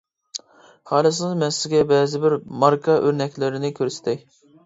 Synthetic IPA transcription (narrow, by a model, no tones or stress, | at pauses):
hɑːlˠɨs̬ɨnɨzmɛsːɪɡʲɛbɛːzɪbɪɾmɑɾkʰɑʔøɾnɛkʲlɪɾɪnɪkʲʰøɾsɪ̥t̪ʰɪ